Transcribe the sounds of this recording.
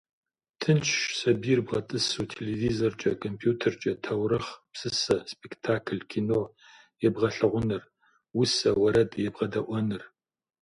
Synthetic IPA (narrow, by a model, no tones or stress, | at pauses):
tʰɨnt͡ʃʰsɐbirbʁɐtʼɨsuːtʰelevizort͡ʃʼɐkʰʼompʰjuːtʰɐrt͡ʃʼɐtʰɐwrɐχpsɨsɐspʼektʰaːkʰlkʲʰinoː | jɛbʁɐɬɨʁʷʊnɨr | wʊsɐwɐɾɐdjɛbʁɐdɐʔʷɔnɨr